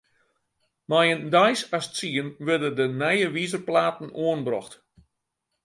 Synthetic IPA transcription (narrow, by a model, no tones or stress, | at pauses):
majəndajsastt͡siənʋɪdədənɛjəʋizərplaːtn̩oənbrɔ̰xt